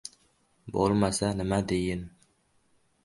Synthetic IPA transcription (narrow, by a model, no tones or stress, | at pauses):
bo̰lˠmasanɪmad̪ejɪn